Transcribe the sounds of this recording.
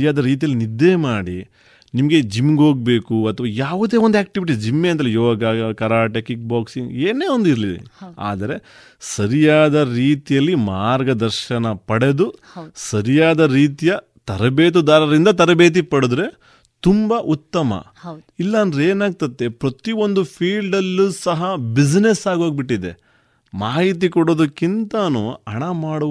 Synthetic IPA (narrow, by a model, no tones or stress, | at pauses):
jaːd̪ɐɾiːt̪̬ijɐlːinid̪ːemaːɽi | nimɐɡe̞d͡ʒimːɡo̞ːɡ̚be̞ːkuɐt̪ʰʋɐjaːʋud̪e̞ːʋond̪aːk̚ʈiʋiʈ̬isd͡ʒimːeɐnt̪ɐlːjoːɡɐkɐɾaːʈekik̚baːksiŋɡeːneːond̪iɾliḛa̰ːd̪ɐɾe̞ | sɐɾijaːd̪ɐɾiːt̪ijɐlːimaːɾɡɐd̪ɐɾʃɐnɐpɐɽe̞d̪u | sɐɾijaːd̪ɐɾiːt̪ijɐ | t̪ɐɾɐbeːt̪̬ud̪aːɾɐɾind̪ɐt̪ɐɾɐbeːt̪̬ipɐɽud̪ɾe̞ | t̪umbɐʔut̪ːɐmɐ̰ | ɐd | ilːɐnd̪ɾeːnaːɡ̚t̪ɐt̪ːepɾɐt̪io̞nd̪upʰiːlɖɐlːusɐɦɐbid͡ʒnesaːɡoːɡ̚biʈːid̪e̞ | maːɦit̪̬ikoɽo̞ːd̪ukːint̪ɐnuɐɳɐmaːɽu